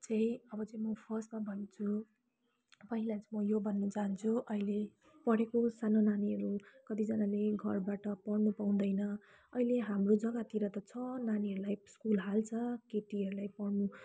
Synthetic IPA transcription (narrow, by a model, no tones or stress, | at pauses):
t͡sʌj̃ʌbʌt͡sʌ̃j̃mʌpʰʌsmabʱʌnt͡sʰu | pʌɦilat͡sʌmʌjobʱʌnːʌd͡zant͡sʰuʔʌile | pʌɽekosanonaniɦʌɾukʌt̪id͡zʌnaleɡʱʌrbaʈʌpʌɽnupaw̃d̪ʌjnʌ | ʌileɦamrod͡zʌɡat̪iɾʌt̪ʌt͡sʰʌnaniɦʌɾulajskulɦalt͡sʰʌkeʈiɦʌɾulajpʌɽnu